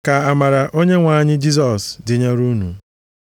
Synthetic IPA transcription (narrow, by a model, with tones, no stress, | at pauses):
ka˨a˨ma˨ɾa˨ʔo˦ɲe˦ŋʷa˨˦ɲɪ˦d͡ʒi˦s̬ɔ˨sdɪ˨ɲa˦ɾu˦nṵ˨